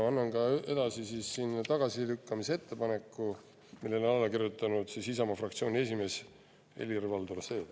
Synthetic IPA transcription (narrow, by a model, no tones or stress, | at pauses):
ɑnːɑnkɑʔe̞d̪̥ɑsisiːsːinːt̪ɑɡ̥ɑsilykːɑmisee̞t̪ːe̞pɑne̞kːˑu | milːe̞lonɑlːɑkirjut̪ːˑɑnud̪̥sisisɑmɑfrɑkt̪sio̞ːnʲie̞s̬ʲime̞ːs | e̞̰lʲirvɑld̪urseːd̪